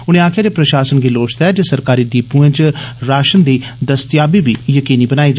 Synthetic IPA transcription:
ʊñẽːaːkʰɪjaːd͡ʒeːpɾəʃaːsənɡiːloːt͡ʃt̪ɛːd͡ʒesəɾkaːɾiːɖiːpũẽt͡ʃɾaːʃənd̪iːd̪əst̪jaːbiːbiːjəkiːniːbənaːiːd͡ʒ

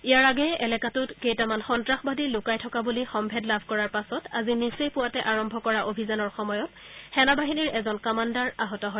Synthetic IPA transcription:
ijaɹaɡɛɛlɛkatʊtkejtamanxɔntɹaxbadilʊkajtʰɔkabulixɔmbʱɛdlabʱkɔɹaɹpasɔta̰zinisejpʊwatɛʔaɹɔmbʱɔkɔɹaʔobʱizanɔɹxɔmɔjɔt | xɛnabaɦiniɹɛzɔnkamandaɹaɦɔtɔɦɔj

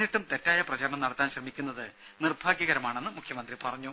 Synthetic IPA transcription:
iʈːumt̪e̞tːaːjɐprɐt͡ɕɐɾɐɳɐmnɐɽɐt̪ːaːnɕrɐmikʲːunːɐðɨnirbʱaːɡjɐɣɐɾɐmaːɳe̞nːɨmukʰjɐmɐnd̪ripɐrɐɲːu

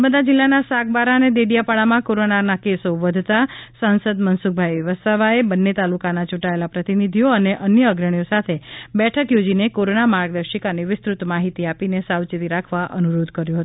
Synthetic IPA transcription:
əməd̪ad͡ʒɪlːanasaɡ̚baɾaəned̪eɽijapaɭamãkoɾonanakesoʋəd̪ʱt̪asansəd̪mənsuk̚ʰbʱajəʋəsaʋaebənːet̪alukanat͡ʃuʈaelapɾət̪inid̪ʱijoəneʔənjəːɡɾəɳjosat̪ʰebɛʈʰəkjod͡ʒinekoɾonamaɾɡ̚d̪əʃikaniʋɪst̪ɾut̪maɦit̪iapinesawt͡ʃit̪iɾakʰʋaʔənuɾod̪ʱkəɾjũɦət̪ũ

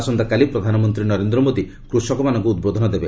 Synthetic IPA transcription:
sɔnd̪akalipɾɔd̪ʱanɔmɔnt̪ɾinɔɾend̪ɾɔmod̪i | kɾusɔkɔmanɔŋkuːd̪̚bod̪ʱɔnɔd̪ebe

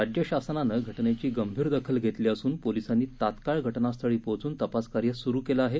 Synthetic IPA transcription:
ad͡ʑjəɕasnanəɡʱəʈnet͡ɕiːɡəmbʱiːɾd̪əkʰəlɡʱet̪liːəsuːnpolisanːiːt̪at̪kaɭɡʱəʈnast̪ʰəɭiːpot͡suːnt̪əpaskaɾjəsuɾuːkelaaːɦe

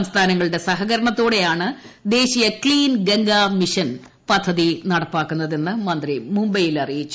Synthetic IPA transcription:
ɐmst̪ʰaːnɐŋːɐɭɨɽe̞sɐɦɐɣɐɾɐɳɐt̪ːoːɽe̞jaːɳɨ | d̪e̞ːɕijɐkɭiːnɡeŋɡamiʂɐn | pɐd̪ʱːɐðinɐɽɐpːaːkːunːɐðe̞nːɨmɐnd̪rimumbɐjilɐrijit͡ɕːu

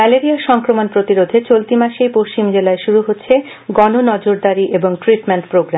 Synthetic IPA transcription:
mɛleɾiaʃɔŋkɾomonpɾot̪iɾod̪ʱet͡ɕolt̪imaʃejpoʃt͡ɕimd͡ʑelaeʃuɾuɦotːɕʰe | ɡɔnonɔd͡ʑoɾd̪aɾiʔeboŋʈɾiʈmeɳʈpɾoɡɾa

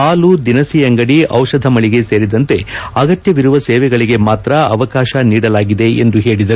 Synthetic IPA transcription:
aːlud̪inɐsijɐŋɡɐɽiʔɐwʂɐd̪ʱɐmɐɭiɡe̞se̞ːɾid̪ɐnt̪e̞ɐɡɐt̪jɐʋiɾuʋɐseːʋɛɡɐɭiɡe̞maːt̪ɾɐɐʋɐkaːʃɐniːɽɐlaːɡid̪eend̪uɦe̞ːɭid̪ɐɾu

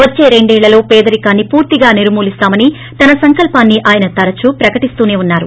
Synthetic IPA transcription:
ʋɐt͡ʃːeːɾe̞ɳɖɛːɭːɐlo̞ːpeːd̪ɐɾikaːnːipuːɾt̪iɡaːniɾmuːlist̪aːmɐni | t̪ɐnɐsɐŋkɐlpaːnːiʔaːjɐnɐt̪ɐɾɐt͡ʃupɾɐkɐʈist̪uːneːunːaːɾu

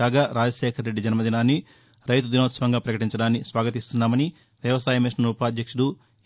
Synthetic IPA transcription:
aːɡaːɾaːd͡ʒɐʃɛːkʰɐɾːe̞ɖːid͡ʒɐnmɐd̪inaːnːi | ɾɐjt̪ud̪inot̪sɐʋɐŋɡaːpɾɐkɐʈiɲt͡ʃɐɽaːnːisʋaːɡɐt̪ist̪unːaːmɐni | ʋjɐʋɐsaːjɐmiʂnɐnuːpaːd̪jɐkʂuɽu

